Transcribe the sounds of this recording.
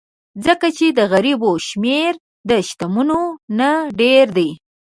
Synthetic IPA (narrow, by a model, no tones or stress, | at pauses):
d͡zəkat͡ʃed̪əɣaɾiboʃmeɾ | d̪əʃt̪amunonaɖeɾd̪aj